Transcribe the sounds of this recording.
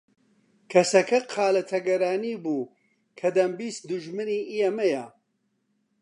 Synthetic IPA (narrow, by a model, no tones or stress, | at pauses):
kʰɐsɐkʰɐqʰaːlɐt̪ʰɐɡɐɾaːniːbuː | kʰɐd̪ɐmbiːsd̪uʒmɨniːʔijɐmɐjɐ